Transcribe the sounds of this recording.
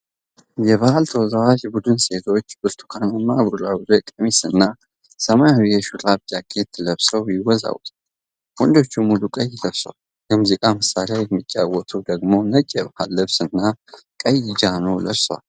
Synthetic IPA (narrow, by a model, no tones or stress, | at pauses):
jɛβahalt̪ʰəwɔzawaʒbud̪ɨnse̞t̪ʰo̞t͡ʃːbɨɾt̪ʰu̥kʰananːabulabɨzojkʼəmisɨnːa | səmajβijɛʃulʼabt̪akʼːet̪ʰːləβsəwjɪwɔza̰wt̪ʰʼ | wɔnd̪o̞t͡ʃːumulukʼɐjːɪləβsoal | jəmuzikʼaməsalajɛmːɨt͡ʃʼːawɔt̪ʰud̪əɡmo̞nət͡ʃʼːɛbahalːɨβsɨnːa | kʼəjɪd͡ʒanəwləβswa̰l